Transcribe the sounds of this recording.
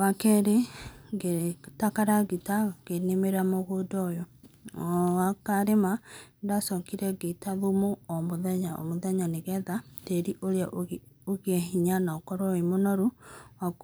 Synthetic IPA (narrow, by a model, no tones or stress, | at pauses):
wakɛɾeɡetakaɾaɣitaɣenemeɾamoɣodɔjɔ | akaɾemandasɔkiɾɛɡetaðumoɔmoðɛɲaɔ̰moðɛɲaneɣɛðateɾiʔoɾea | oɣiɛɦiɲanaɔkɔɾɔemonɔɾuwa